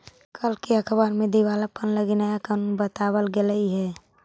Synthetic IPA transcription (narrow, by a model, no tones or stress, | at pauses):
kʰəlkiəkʰbəɾmẽd̪iwaləpənləɡinajakanunbət̪awəlɡeləiɦɛ